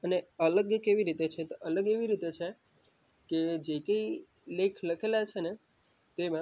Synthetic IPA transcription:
əneələɡjəkeʋiɾit̪et͡ʃʰet̪ʔələɡeʋiɾit̪et͡ʃʰe | ked͡ʒekəi | lekʰləkʰelat͡ʃʰene | t̪emã

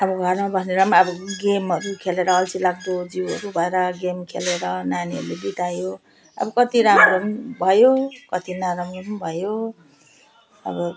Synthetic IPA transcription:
ʌbʌɡɡʱʌɾmabʌsneɾʌmaʌbʌɡemɦʌɾukʰeleɾʌːlsilaɡd̪od͡ziwʌɾubʱʌeɾʌɡemkʰeleɾʌnaniɦʌ̰ɾlebit̪ajo | ʌ̰bʌkʌt̪iɾamromʌnbʱʌjokʌt̪inaɾamromʌnbʱʌjo | ʌ̰bʌ

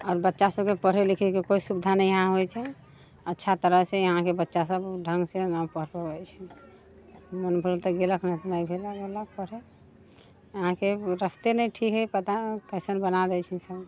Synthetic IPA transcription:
ɔːɾbətːʃasəbkepəɾ̤elikʰɛkekoisubd̪ʱanɛjəɦãɦojt͡ʃʰɛ | ətːʃʰat̪əɾəɦseəɦãkebətːʃasəbɖʱə̃ŋɡsenapəɾpəɡɛt͡ʃʰɛ | mənpʰuɾt̪əɡeləknɛɦt̪ɔnəibʱelaɡelək̚pəɾe | əɦãkeɾəst̪enɛjʈʰikɦəjpət̪akəɪsənbənad̪ɛjt͡ʃʰɛsəb

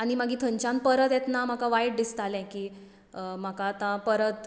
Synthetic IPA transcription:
aɽ̃imaɡʱiːt̪ʰəɲt͡ɕãn̚pəɾət̪ɛt̪nam̤akaʋajɽ̚d̪ist̪alɛ̃kiː | m̤akaːt̪ãpəɾət̪

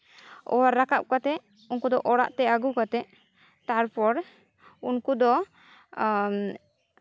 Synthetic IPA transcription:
ɔ̰waɾːakap̚kat̪ɛʔ | unkud̪ɔʔɔɽa̰ʔt̪ɛaɡukat̪ɛʔ | t̪aɾpɔɾ | unkud̪ɔ

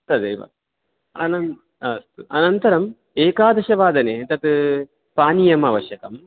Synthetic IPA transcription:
t̪ɐd̪eːʋɐ̰ | ɐ̰nɐn | ɐst̪uʔɐnɐnt̪ɐɾɐm | eːkaːd̪ɐʃɐʋaːd̪ɐneːt̪ɐt̪ | paːnijɐmɐːʋɐʃjɐkɐm

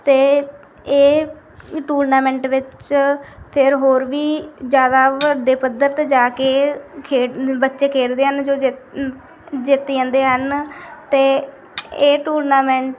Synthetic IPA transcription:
t̪eː | eː | ʈuːɾnaːmɛ̃ːɳʈʋɪt͡ʃ | pʰɪɾɦoːɾʋiːd͡ʒjaːd̪aːʋəɖeːpəd̪əɾt̪ed͡ʒaːkeːkʰeːbətːʃeːkʰeːɽd̪eːɦənd͡ʒoːd͡ʒ | d͡ʒɪt̪ːiːɦə̃ːnd̪eːɦənt̪eː | eːʈuːɾnaːmɛ̃ɳʈ

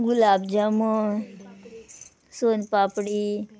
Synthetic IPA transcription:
ɡulaːbd͡ʒɐm | soːnpaːpɽi

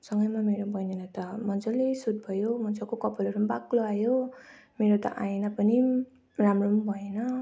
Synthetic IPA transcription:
sʌŋɡʌjmameɾobʌjnenʌt̪ʌmʌnd͡zolesud̪̚bʱʌjomʌnd͡zʌkokʌpʌlʌɾumbakloajomeɾot̪ʌ̰ʔaenʌpʌni | ramrombʱʌenʌ

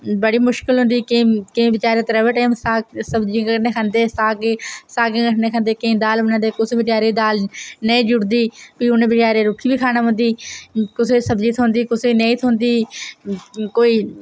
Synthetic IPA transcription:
bəɽiːmʊʃkɪlɦʊ̃nd̪iːkekɪ̃ʋɪt͡ʃaːɾeːt̪ɾəːʋeːʈːmssəbd͡ʒikəʈneːkʰə̃nd̪eːsaːɡesaːɡekəʈneːkʰə̃nd̪eːkẽːd̪aːlənãːd̪eːkʊsebɪʈaːɾeːd̪aːlneĩːd͡ʒʊɽd̪iːpiːʊnẽːbɪʈaːɾeːɾʊkʰːiːbiːkʰaːnaːʊ̃nd̪iːkʊseːsəbd͡ʒiːt̪ʰõːnd̪iːkʊsenẽĩːt̪ʰõːnd̪iː | koːiː

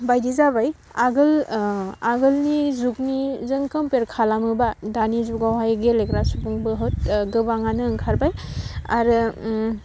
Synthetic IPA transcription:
bajdizabaj | aɡɯl | aɡɯlnizuk̚nizɯŋkɯmpeɾkʰalamɯbadanizuɡawɦajɡelekɾasubɯŋbɯɦɯt̚ɡɯbaŋanɯːŋkʰaɾbaja̰ɾɯ

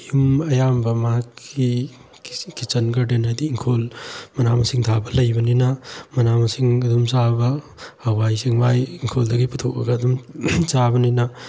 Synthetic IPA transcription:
jumɐjambɐmaki | kit͡ʃɐnkɐɾdenajdiːŋkʰolmɐnamɐsiŋt̪ʰabɐlɐjbɐninɐmɐnamɐsiŋɐdumsabɐ | ɐwajsiŋbajiŋkʰoldɐɡiput̪ʰokɐ̰ɡɐdumt͡ʃabɐninɐ

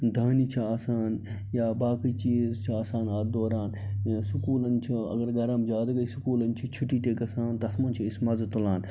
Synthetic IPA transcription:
d̪ʱaːniːt͡ʃʰiaːsaːn | jaːbaːkiːt͡ʃiːzt͡ʃʰiaːsaːnaːd̪oːɾaːnsʊkuːlɐnt͡ʃʰuɐ̰ɡɐɾɡɐɾɐmd͡ʒaːd̪ɡɐisukuːlɐnt͡ʃʰit͡ʃʰuʈiːt̪eːɡɐsãːnt̪ɐɐt̪mɐːnt͡ʃʰiɪsmɐzt̪ulaːn

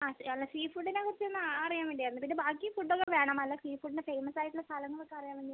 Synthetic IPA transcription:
aːɐlːɐsiːfuɖːinekuɽit͡ɕːienːɨɐɾijaːmʋiɳɖijɐɐnːɐpid̪ɨbaːkːifuɖːokːeʋe̞ːɳaːmɐlːɐsiːfuɖinefejmɐsaːjiʈːulɐst̪ʰɐlɐŋːɐɭpɐkːeɐrijaːmʋiɳɖija

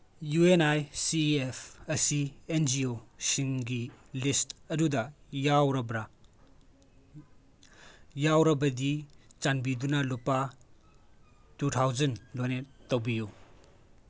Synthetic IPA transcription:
juenajsiepʰɐsiend͡ʒiosiŋɡilistɐdudɐjawɾɐbɾa | jawɾɐbɐdit͡ʃanbidunɐlopːa | tutʰawzɐnlojnetːowbiju

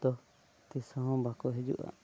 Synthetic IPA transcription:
t̪ɔ | t̪isãɦɔ̃bakɔɦɛd͡ʒṵʔa̰

